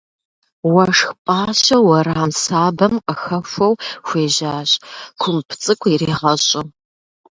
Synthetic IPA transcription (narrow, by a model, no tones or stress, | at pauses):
wɐʂxpʼaːɕɐwɐɾaːmsaːbɐmqəxɐfʷɐwxʷeːʑaːɕʼkʷʰʊmpʰt͡sʼɨkʷʰiriːʁɐɕʼʊ